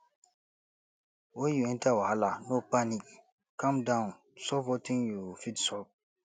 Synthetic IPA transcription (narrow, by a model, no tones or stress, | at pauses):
wojuɛ̃ntawahalanopanik̚ | kãmdãn | sɔpɔtĩŋjufidsɔ